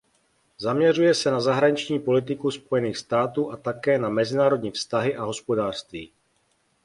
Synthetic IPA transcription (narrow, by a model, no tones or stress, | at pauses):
zamɲɛrujɛsɛnazaɦɾaɲɪt͡ʃɲiːpo̞lɪt̪̬ɪkuspo̞jɛniːxst̪aːt̪uːʔat̪akɛːnamɛzɪnaːɾo̞dɲiːfst̪aɦɪʔaɦo̞spo̞daːr̥st̪vḭː